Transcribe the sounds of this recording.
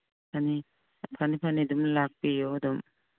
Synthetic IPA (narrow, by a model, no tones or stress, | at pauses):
pʰani | pʰanipʰanid̪umlak̚pijod̪um